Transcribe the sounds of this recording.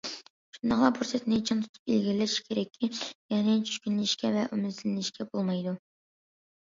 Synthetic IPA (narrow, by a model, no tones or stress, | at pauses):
ʃund̪ɑχlˠɑbuɾsɛt̪net͡ʃʰint̪ʰu̥t̪ʰu̥pilɡʲilːɪʃkʲʰeɾɛkʲʰːijɛnɪt͡ʃʰy̥ʃkʲynlɪʃkʲɛvɛʔymɪzlɪnɪʃkʲʰɛbolˠmɑjd̪u